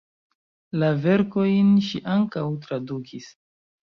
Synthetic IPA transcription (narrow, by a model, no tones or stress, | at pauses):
lave̞ɾko̞jnʃiʔaŋkawtɾadukʰis